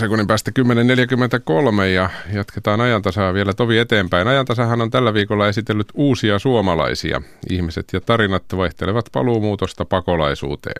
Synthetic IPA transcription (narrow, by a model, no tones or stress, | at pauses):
sekunːimpæːst̪ekymːenenneljækymːent̪ækolmejjɑjɑt̪ket̪ɑːnɑjɑnt̪ɑsɑːʋielæt̪oʋiet̪eːmpæinɑjɑnt̪ɑsɑhɑnont̪ælːæʋiːkolːɑesit̪elːyt̪uːsiɑsuomɑlɑ̰isḭɑ̰ḭhmiset̪jɑt̪ɑɾinɑt̪ʋɑiht̪eleʋɑt̪pɑ̰luːmuːt̪ost̪ɑpɑkolɑisṵːt̪ḛːn